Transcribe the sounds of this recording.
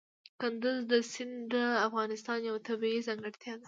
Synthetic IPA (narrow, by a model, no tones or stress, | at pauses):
kʊnd̪ʊzd̪əsɪnd̪əafɣɑnɪst̪ɑnjawt̪abiizɑŋɡəɽt̪jɑd̪a